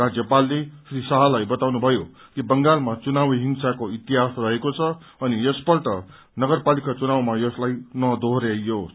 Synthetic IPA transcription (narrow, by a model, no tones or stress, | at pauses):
rad͡zjʌpalːesrisaɦʌlajbʌt̪awnubʱʌjo | kibʌŋɡalmat͡sunawɦiŋsakoit̪iɦasrʌɦekot͡sʰʌ | ʌnijʌsbʌʈʌ | nʌɡʌrpalikat͡sunawmajʌslajnʌd̪ʱoɦɾejo